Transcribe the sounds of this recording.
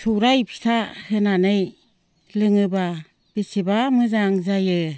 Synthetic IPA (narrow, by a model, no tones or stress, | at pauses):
sʰuɾajpʰi̥sʰahɯnanɯj | lɯŋɯba | b̥isibamɯzaŋzajɯ